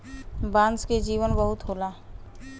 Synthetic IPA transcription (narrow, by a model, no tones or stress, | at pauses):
bãːnsked͡ʒiːʋənbəɦʊt̪ɦoːlaː